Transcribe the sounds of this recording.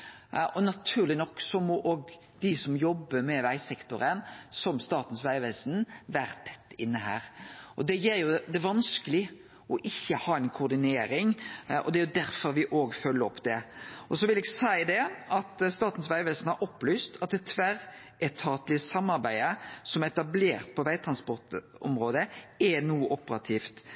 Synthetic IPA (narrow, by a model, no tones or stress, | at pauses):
ʔɔnɑt̪ʰʉːʁlɪnɔkːsɔmɔʔoːɡ | d̪ɪsɔmjɔbːəɾmɛʋæɪsɛkt̪ʊɾənsɔmst̪ɑːt̪n̩sʋæɪʋæːsnʋæːɾət̪ʰɛ̥t̪ːɪnːəhæ̰ːɾʔɔd̪ɛjeːɾjʊd̪ɛʋɑnskəlɪ | ʔɔʔɪçːəhɑːɛnkʰʊːɾd̪ɪneːɾɪŋʔɔ̰d̪ɛæɾjʊd̪æɾfɔɾʋɪʔoːɡfœlːəɾɔpd̪ɛʔɔsɔʋɪlɛɡsæɪd̪ɛɑt̪st̪ɑːt̪n̩sʋæɪʋɛːsn̩hɑɾɔpːlyːst̪ʰɑt̪̚ːɛt̪ʰʋæɾ | ɛt̪ʰɑːt̪lɪəsɑmːɑɾbæɪəsɔmɛt̪ɑbleːɾt̪̚pʰɔʋæɪt̪ʰɾɑnspɔʁt̪ɔ̰mɾoːd̪əɛnuːəʔɔpəɾɑt̪ʰiːft̪